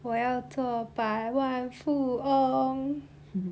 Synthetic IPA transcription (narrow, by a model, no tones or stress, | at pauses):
wɔjɑʊt͡swɔpaɪwanfuoŋ